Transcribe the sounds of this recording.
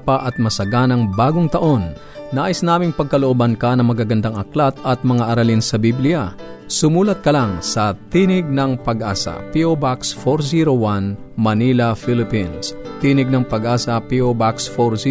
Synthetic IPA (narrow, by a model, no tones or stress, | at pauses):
paʔɐt̪̚mɐsɐɡanɐŋbaːɡoŋt̪ɐʔo̞nː | aːʔɪsnaːmɪŋpɐɡ̚kɐloʔobɐnkɐnɐŋmɐɡaɡɐnd̪aŋɐklat̪̚ɐt̪̚mɐŋaʔɐɾalinsɐbiblɪja | sʊmuːlɐt̪̚kɐlaŋsɐt̪inɪɡ̚nɐŋpɐɡʔaːsɐ̰piobaksfoɾsiɾowan | mɐnilɐfilɪpinst̪inɪɡ̚nɐŋpɐɡʔaːsɐpiobaksfoɾsi